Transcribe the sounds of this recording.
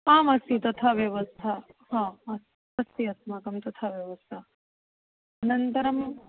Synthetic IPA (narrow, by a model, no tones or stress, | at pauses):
aːmɐsjut̪ɐt̪ʰaʋjɐʋɐst̪ʰahãːɐs | ɐst̪iɐsmakɐmt̪ɐt̪ʰaʋjɐʋɐst̪ʰa | ɐnɐnt̪ɐɾɐm